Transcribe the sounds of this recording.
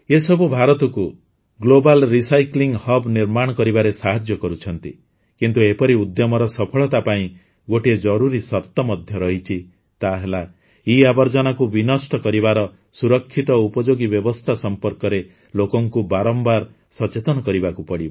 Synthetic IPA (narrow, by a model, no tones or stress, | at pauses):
esɔbubʱaɾɔt̪ɔku | ɡlobalɾisajkliŋɡhɔbniɾmaɽ̃ɔkɔɾibaɾesaɦad͡ʒjɔkɔɾut͡ʃʰɔnt̪ḭ | kint̪uepɔɾiud̪jɔmɔɾɔsɔpʰɔɭɔt̪apaĩ | ɡoʈied͡ʒɔɾuɾisɔɾt̪ɔmɔd̪ʱjɔɾɔɦit͡ʃʰi | t̪aɦela | iabɔɾd͡ʒɔnakubinɔsʈɔkɔɾibaɾɔ | suɾɔkʰːit̪ɔupɔd͡ʒoɡibjɔbɔst̪ʰasɔmpɔɾkɔɾe | lokɔŋkubaɾɔmbaɾ | sɔt͡ʃet̪ɔnɔkɔɾibakupɔɽiba